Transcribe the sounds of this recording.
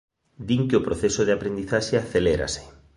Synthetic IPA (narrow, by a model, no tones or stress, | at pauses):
d̪iŋkeopɾoθesoð̞eapɾend̪iθaʃeaθeleɾa̰sɪ̥